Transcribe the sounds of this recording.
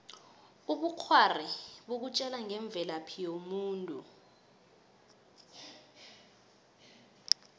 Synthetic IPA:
uɓuk͡xʰwariɓok̬ut͡ʃʼɛlaŋɛɱb̪vʱɛlapʰijomuːntʼṵ

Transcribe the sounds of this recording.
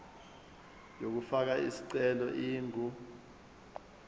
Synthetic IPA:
jok̬ufak̬aisi̥ǀɛlɔʔiːŋɡʱu

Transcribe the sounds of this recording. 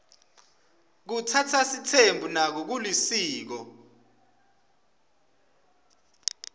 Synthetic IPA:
k̬utʰatʰasitʰembʱunak̬ɔk̬ulisiːk̬ɔ

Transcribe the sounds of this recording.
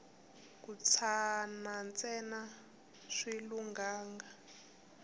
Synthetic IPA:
kut͡sʰanant͡sʼɛna | ʂiluŋɡaːŋɡa

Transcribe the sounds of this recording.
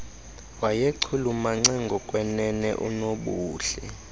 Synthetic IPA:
wajeǀʰulumaŋ͡ǀaŋɡʱɔkʼwɛnɛnɛ̰ʔṵnoɓuːɬɛ̰

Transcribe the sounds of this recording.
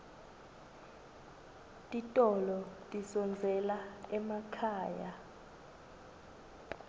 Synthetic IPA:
tʼitʼɔlɔtʼisɔnd͡zʱɛlaɛmakʰaːja

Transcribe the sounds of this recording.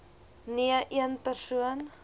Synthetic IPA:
niəʔiənpærsuən

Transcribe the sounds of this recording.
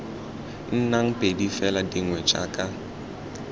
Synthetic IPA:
n̩naŋ̩pʼedifɛladiŋwɛt͡ʃʼa̰kʼa

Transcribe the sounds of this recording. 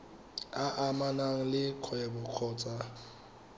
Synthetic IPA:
aʔamanaŋ̩lɪkʰwɛbɔq͡χʰɔːt͡sʼa

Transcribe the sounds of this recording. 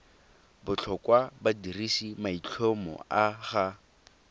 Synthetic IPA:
bʊt͡ɬʰɔkwabadirisimait͡ɬʰomɔ̰aχa

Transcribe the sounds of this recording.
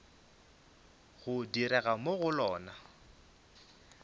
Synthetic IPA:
ɣʊdiɾɛɣamoɣʊlɔːna

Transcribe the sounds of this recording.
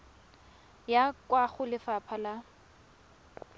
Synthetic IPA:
jakwaχʊlɪfapʰala

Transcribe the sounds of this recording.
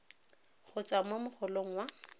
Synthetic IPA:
χʊt͡sʼwamomʊχʰʊloŋ̩wa

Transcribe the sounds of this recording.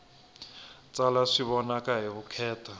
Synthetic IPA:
t͡sʼalaʂiβɔnakʼaɦirukʰɛːtʰa

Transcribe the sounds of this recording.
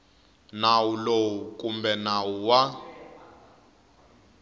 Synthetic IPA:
nawulowukʼumbɛnawuwa

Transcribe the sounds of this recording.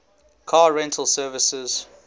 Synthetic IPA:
kʰaːɹɛ̃ntʰəlˠsɜːvɪsɪz̥

